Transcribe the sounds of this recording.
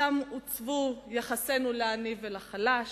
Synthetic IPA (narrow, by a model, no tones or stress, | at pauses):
amut͡svujaχase̞nuleanivelaχalaʃ